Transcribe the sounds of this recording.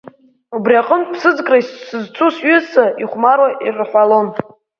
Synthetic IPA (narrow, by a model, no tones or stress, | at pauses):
ubriaqʼəmtʼpʰsɨd͡zkʼraissɨzt͡sʰusɥʏsaʔiχʷmaɾwairħʷalo̞n